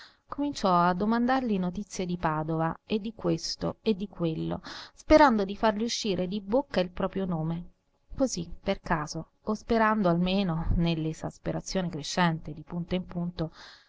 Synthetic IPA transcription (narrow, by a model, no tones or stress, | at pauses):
komint͡ʃɔad̪ːomand̪arlinot̪it̪sːjed̪ipaːd̪ovaed̪ːikwest̪o̰ed̪ːikwelːo̰speɾand̪od̪ifarliuʃːiːɾʔed̪ibokːailpɾɔːpɾjonoːme | kozipːerkaːzoː | speɾand̪oalmeːnonelːeza̰speɾat̪sːjoːnekɾeʃːɛnt̪ed̪ipunt̪oimpunt̪o